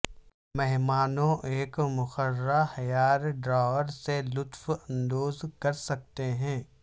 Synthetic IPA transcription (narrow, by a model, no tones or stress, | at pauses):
mɛɦmaːnõʔeːkmʊxəɾɾahɐjaːɾɖɾaːʋəɾselʊt̪fɐ̃nd̪oːzkɐɾsɐk̚t̪eɦɛ̃ː